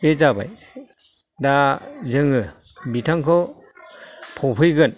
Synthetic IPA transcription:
bezaba̰j | dazɯŋɯbitʰaŋkʰɔ | pʰɔpʰɯjɡɯn

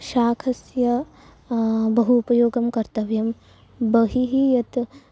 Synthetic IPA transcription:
ʃaːkʰɐsjɐ | bɐɦuupɐjoːɡɐmkɐɾt̪ɐʋjɐm | bɐɦiɦijɐt̪

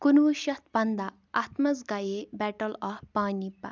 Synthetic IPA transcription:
kunʋuʃɐt̪pɐnd̪a | ɐt̪mɐzɡɐjebɛʈɐlɐfpaːnipɐ̰

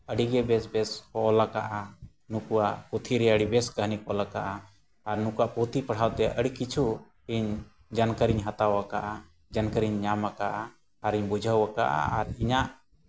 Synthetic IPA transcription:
əɽiɡɛbɛsbɛskɔʔɔlakaʔa | nukuwaʔput̪ʰiɾɛəɽibɛskəɦnikɔlakaʔaː | ɾnukuaʔpot̪ʰipəɽ̤awt̪ɛʔəɽikit͡ʃʰu | iɲ | d͡ʒankəɾiɲɦat̪awakaʔa | d͡ʒankəɾiɲːamakaʔaː | ɾiɲbud͡ʒʱawaka̰ʔa̰aɾiɲaʔ

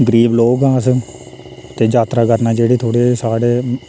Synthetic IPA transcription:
ɡəɾiːbloːɡãːs | t̪eːd͡ʒaːt̪ɾaːkəɾnaːd͡ʒeːɽiːt̪ʰoːɽeːsaːɽeː

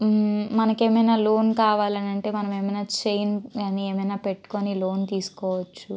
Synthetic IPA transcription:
mɐnɐke̞ːmɐjnaːlo̞ːnkaːʋaːlɐnɐɳʈe̞ːmɐnɐme̞ːmɐjnaːt͡ʃejnɐnieːmɐjnaːpeʈːu̥koːnilo̞ːnt̪iːsu̥kɔːʋɐt͡ʃːu

